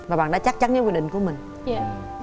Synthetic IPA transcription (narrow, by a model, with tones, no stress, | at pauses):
vaː˨˩ɓa̰˧˨ɗaː˧˥t͡ɕa˦˥k̚t͡ɕa˨˦nɲə˧˦kwɗï˧˨ŋku˧˩əmï˨˩ŋ̟